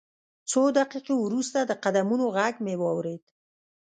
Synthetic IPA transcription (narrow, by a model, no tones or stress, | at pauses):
t͡sod̪aqiqewɾust̪ad̪əqad̪amunoɣaɡmewɑwɾed̪̥